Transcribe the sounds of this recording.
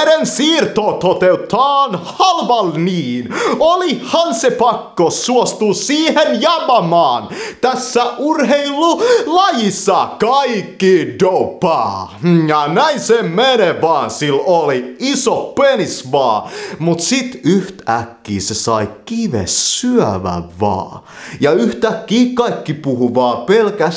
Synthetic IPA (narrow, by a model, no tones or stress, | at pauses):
ɾensiːrt̪oːt̪ot̪eut̪ʰːɑːnhɑlʋɑlniːnolihɑnsepɑkːosuost̪usiːhenjɑmɑmɑːnt̪æsːæʔurɦeilːulɑjisːɑkɑikːidopɑ̰ːjɑnæinsemmeneʋɑːnsiloliisoppenisʋɑːmut̪sit̪yht̪ækːiːsesɑikiʋḛsːyœʋæ̰ʋʋɑ̰ː | jɑyht̪ækːiːkɑikːipuhuʋɑːpelkæs